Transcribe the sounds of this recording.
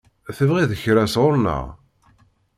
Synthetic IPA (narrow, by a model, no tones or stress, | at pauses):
θəvʁiðəçɾæsʁʊɾna̰